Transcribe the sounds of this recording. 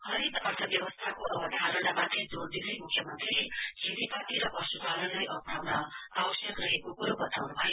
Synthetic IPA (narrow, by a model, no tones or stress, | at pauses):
hʌɾid̪ʌrt̪ʰʌbjʌwʌst̪ʰakoʔʌbʌd̪ʱaɾʌnamat̪red͡zord̪inʌjmukʰjʌmʌnt̪rilesilipat̪iɾʌpʌsubalʌlajʔʌpɽawnʌawʌsjʌkrʌɦekokuɾobʌt̪awnubʱʌjo